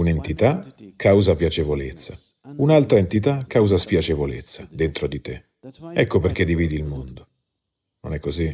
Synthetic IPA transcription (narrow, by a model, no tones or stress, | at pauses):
unent̪it̪akʰːawzapjat͡ʃevolet̪sːa | unalt̪ɾaent̪it̪̬akːawzaspjat͡ʃevolet̪sːad̪ent̪ɾod̪it̪e | ɛkːoperk̟ed̪ːiviːd̪ilmond̪o | no̰nɛkːozi